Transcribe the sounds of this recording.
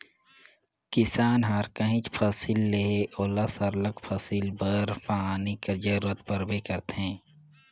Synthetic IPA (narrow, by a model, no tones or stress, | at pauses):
kɪsaːnɦaːɾkɐɦĩt͡ʃpʰɐsilːeɦeʔoːlasɐɾləkpʰɐsilbəɾpaːnikɐɾd͡ʒɐɾuːɾət̪pɐɾbekɐɾt̪ɦɛ̃ː